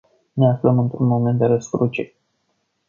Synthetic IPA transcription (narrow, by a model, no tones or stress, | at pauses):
neafləmɨnt̪ɾunmo̞me̞nt̪d̪eɾəskɾut͡ʃḛ